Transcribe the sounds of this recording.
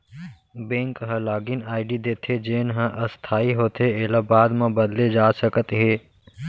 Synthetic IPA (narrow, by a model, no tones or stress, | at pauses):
bẽːŋkɦə̃laːɡɪnaːɪɖid̪eːt̪ʰed͡ʒeːnɦə̃ʔəst̪ʰaːiɦoːt̪ɦeeːlabaːd̪mãbəd̪led͡ʒaːsəkət̪ɦeː